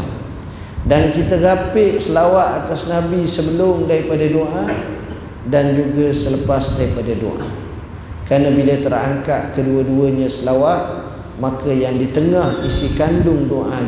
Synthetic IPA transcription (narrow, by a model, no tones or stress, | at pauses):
dankit̪aɡapɪʔsəlawaʔ̪at̪asnabisəbəlʊmdaɾipadadoʔa | dand͡ʒuɡasələpasdaɾipadado̰ʔa | kɾanabilat̪əɾa̰ŋkaʔkəduəduəɲãsəlawaʔ | makajaŋdit̪əŋahisikandʊŋdoʔa